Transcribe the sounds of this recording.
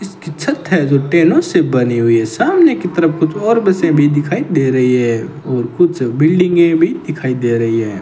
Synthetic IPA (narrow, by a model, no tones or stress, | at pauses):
ɪskit͡ʃʰɐt̪ːɦɛd͡ʒoʈeːnõsebɐniɦʊiɦɛːsaːmnekit̪əɾəpkʊt͡ʃʰɔːɾbɛsẽbʱid̪ɪkʰaːid̪eːɾɐɦiɦɛ | ɔːɾkʊt͡ʃʰebɪlɖɪ̃ŋɡẽbʱid̪ɪkʰaːid̪eːɾɐɦiɦɛː